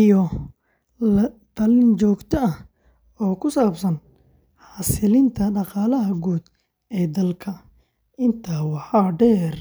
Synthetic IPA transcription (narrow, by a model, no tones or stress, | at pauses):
ʔijɔ | ɐd̪ɐlɪnt͡ʃɔːɡt̪ʰɔɐ | ɔːkʰʊsaːbsɐn | ħɑːsɪlɪnt̪ʰɐɖɑqɑːlɐɦɐɡuːd̪ | ɛːd̪ɐlkʰɐ | ɪnt̪ʰaːwɑħɑːɖɛːr